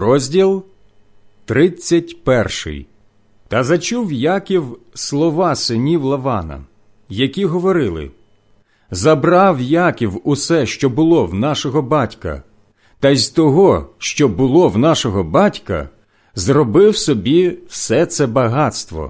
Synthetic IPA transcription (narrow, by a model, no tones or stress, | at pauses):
rɔzʲdʲilˠ | t̪ɾɪt͡sʲːɐtʲpɛrʃɪ̰j | t̪ɐzɐt͡ʃuwjakʲiwslˠɔʋɑsɪnʲiwlˠɐʋɑnɐ̰ | jɐkʲiɦɔʋɔɾɪlˠɪ̰ | zɐbrɑwjakʲiwʊsɛʃt͡ʃɔbʊlˠɔwnɑʃɔɦɔbɑtʲkɐ̰ | t̪ɐzʲt̪ɔɦɔʃt͡ʃɔbʊlˠɔwnɑʃɔɦɔbɑtʲkɐ̰ | zrɔbɪwsɔbʲiwsɛt̪sɛbɐɦɑt̪st̪ʋɔ̰